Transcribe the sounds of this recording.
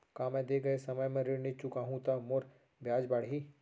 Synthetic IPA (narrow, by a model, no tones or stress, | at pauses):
kaːmẽd̪eːɡɐesɐməjmɛ̃ɾɪɽnɪt͡ʃʊkaɦũt̪amoɾ | bʱjaːd͡ʒbaːɽɦi